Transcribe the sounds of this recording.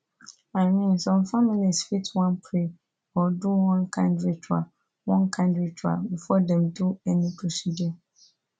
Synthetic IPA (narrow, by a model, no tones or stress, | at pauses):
aɪmĩnsɔ̃mfamilisfitʰwãnpʰɾe | ɔdʊwɔ̃nkʰãndɹitʰua̰ | wɔ̃nkʰãndɹitʰa̰bifɔdɛ̃mduɛnĩtʰusidɛ